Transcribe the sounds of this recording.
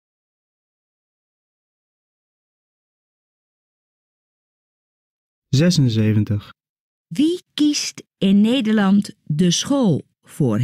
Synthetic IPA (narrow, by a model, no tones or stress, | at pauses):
zɛsənseːvəntəχ | ʋikist | ɪnːeːdəɹlɑntdəsχoːlˠ | for